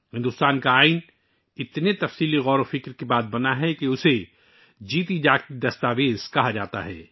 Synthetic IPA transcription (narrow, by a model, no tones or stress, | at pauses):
hɪ̃nd̪ʊst̪aːnkaaːɪn | ɪt̪net̪ɐfsiːliɣɔːɾofɪkɾkebaːt̪̚bɐnaɦɛkeʊse | d͡ʒiːt̪id͡ʒaːkkid̪ɐst̪aːʋeːz̥kɐɦad͡ʒaːt̪a̰ɦɛ̰ː